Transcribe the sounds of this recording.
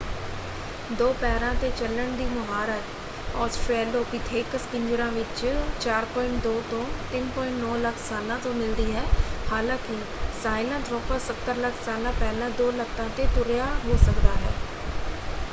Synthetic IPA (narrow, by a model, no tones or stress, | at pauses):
d̪oːpɛːɾãːt̪eːt͡ʃələɳd̪iːmʊɦaːɾət̪ | ɔːsʈɛːloːkɪt̪ʰeːkəskɪ̃ɲd͡ʒɾãːʋɪt͡ʃt͡ʃaːɾpɔ̃ːɪɳʈ̚d̪oːt̪õːt̪ɪnpɔ̃ːɪ̃ɳʈnɔːləkʰsaːlãːt̪õːmɪld̪iːɦɛːhaːlãːkɪ | saːɪlãːt̪ɾoːpəɾsət̪ːəɾləkʰsaːlãːpɛːlãːd̪oːləkʰt̪ãːt̪eːt̪ʊɾjaːɦoːsəkd̪aːɦɛ̰ː